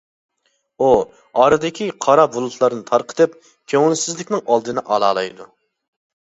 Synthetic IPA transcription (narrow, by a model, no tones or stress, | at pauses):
u | ɑɾɨd̪ɪkʲiqʰɑɾɑbulˠut̪ʰlˠɑɾnɨt̪ʰɑɾqə̥t̪ɨp̚ | kʲʰøŋɪnsɪzlɪkʲnɪŋɑlˠd̪ɨnɨʔɑlˠɑːlˠɑ̰jd̪u